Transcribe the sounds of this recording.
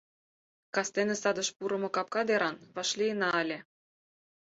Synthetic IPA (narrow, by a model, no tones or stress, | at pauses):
kɑst̪enesɑd̪ɤ̆ʃpuɾɤ̆mɤ̆kɑp̚kɑd̪eɾɑnβɑʃlʲijənɑɑlʲĕ